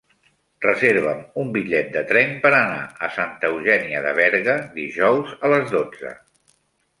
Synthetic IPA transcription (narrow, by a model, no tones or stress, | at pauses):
rəzeɾβəmumbiʎɛt̪̚d̪ət̪ɾɛmpəɾəna̰əsant̪əwʒɛniəðə̰βɛɾɣəðiʒɔwzələzðod͡zə̰